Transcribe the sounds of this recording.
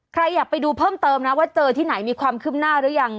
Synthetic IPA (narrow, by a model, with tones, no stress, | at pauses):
kʰɾa˧jːaː˨˩k̚pa˧jduː˧pʰɤː˥˩mt̪ɤː˧mna˦˥waː˥˩t͡ɕɤː˧t̪ʰiː˥˩na˩˦jmiː˧kʰwaː˧mkʰɯː˥˩p̚naː˥˩ɾɯ˦˥ə˥ja˨˩ŋ